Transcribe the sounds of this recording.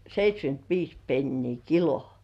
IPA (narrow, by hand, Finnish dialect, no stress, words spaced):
seitʲsʲkyntʋiːs penːiː kilo